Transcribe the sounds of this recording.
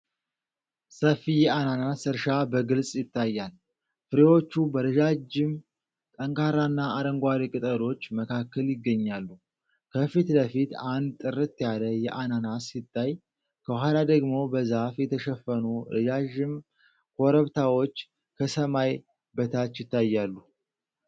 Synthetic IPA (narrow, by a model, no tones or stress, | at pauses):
səfijɛananasɨɾʃabəɡɨlsʼjɪt̪ʰːajːal | fɨɾewo̞t͡ʃːubəɾɨd͡ʒad͡ʒɪm | t̪ʼəŋkʰaɾanːaaɾəŋɡʷaɾikʼɨt̪ʼəɾo̞t͡ʃːməkʰakːəljɪɡːəɲːalːu | kʰəfit̪ləfit̪and̪̚t̪ʼɨɾɨt̪ːjaləjɛʔananasːɪt̪ːaj | kʰəwhalad̪əɡmo̞bəzafjɛt̪ʰəʃəfːənuɾɨd͡ʒaʒɪm | kʰoɾəβt̪ʰawo̞t͡ʃː | kʰəsəmaj | bət̪ʰat̪jɪt̪ːajːalːu